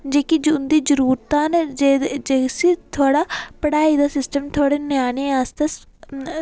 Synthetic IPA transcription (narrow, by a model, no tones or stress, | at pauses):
d͡ʒeːkid͡ʒnd̪iːd͡ʒəɾuːɾt̪aːned͡ʒesit̪ʰoːɽaːpəɽaːid̪aːsɪsʈəmt̪ʰoːɽeːnjaːneaːst̪es